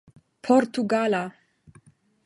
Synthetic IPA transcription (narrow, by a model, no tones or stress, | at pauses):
pʰoɾt̪uɡala